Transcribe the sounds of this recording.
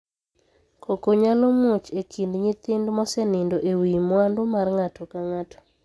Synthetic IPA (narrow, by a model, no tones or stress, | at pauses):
kʰokoɲalɔmut͡ʃekʰindɲɪt̪ɪndmɔsɛnɪndoʔewimwandʊmarŋatɔkaŋatʰɔ̥